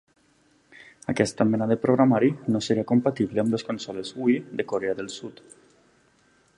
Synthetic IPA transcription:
akɛst̪amenaðepɾoɣɾamaɾinoseɾiakompat̪iβleamleskonsɔlezuid̪ekoɾeaðəlˠsut̪

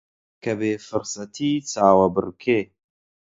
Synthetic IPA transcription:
kʰɐbeːfɨɾsɐt̪ʰiːt͡saːwɐbɨ̰ɾkʰeː

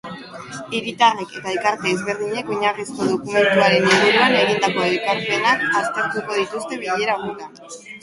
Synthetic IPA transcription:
iɾit̪areke̞t̪aelkaɾt̪eːzβe̞ɾðiɲe̞koɲarisko̞ðo̞kume̞nt̪uaɾe̞niβuɾuane̞ɣ̞ind̪ako̞elkaɾpe̞nakast̪e̞ɾt̪uko̞ð̞it̪ust̪e̞βiʎe̞ɾaɣut̪a

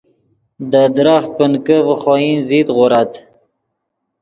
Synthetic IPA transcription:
d̪əd̪ɾaxt̪̚pənkəvəχɑjinzit̪ɣʊɾat̪

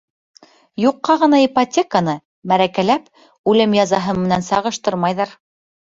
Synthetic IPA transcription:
juqːɑʁɤ̆nɑipotʲekanɤ | mæɾækælæp | ʉlɘmjɑzɑɦɤmɘ̆nænsɑʁɤ̆ʃt̪ɤɾmɑjðɑɾ

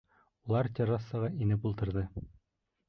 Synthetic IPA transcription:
ulˠɑɾt̪ʲɑɾɑsːɑʁɑinɘpulˠt̪ɤ̆ɾðɤ

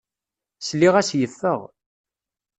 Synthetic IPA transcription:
slːiʁæsjəfːəʁ

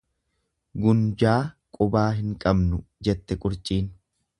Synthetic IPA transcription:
ɡʊnd͡ʒaː | kʼʊbaːɦɪŋkʼɐbnʊd͡ʒɛt̪ːɛkʼʊɾt͡ʃʼiːn

